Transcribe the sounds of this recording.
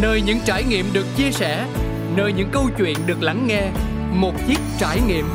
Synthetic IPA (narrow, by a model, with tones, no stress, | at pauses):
nəː˧jɲɨ̰˧˥ŋt͡ɕaː˧˩jŋḭ˧˨əmɗɨ˨˩ək̚t͡ɕi˧əsɛ˧˩ | nəː˧jɲɨ̰˧˥ŋkə˧wt͡ɕwḭ˧˨ənɗɨ˨˩ək̚la˧˦ŋːɛ˧ | mo˨˩t̚t͡ɕi˦˥k̚t͡ɕaː˧˩jŋḭ˧˨əm